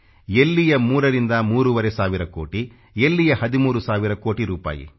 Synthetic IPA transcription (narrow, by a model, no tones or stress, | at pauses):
elːijɐmuːɾɐɾind̪ɐmuːɾuʋɐɾɛsaːʋiɾɐkoːʈi | elːijɐhɐd̪imuːɾusaːʋiɾɐko̞ːʈiɾuːpa̰ːjḭ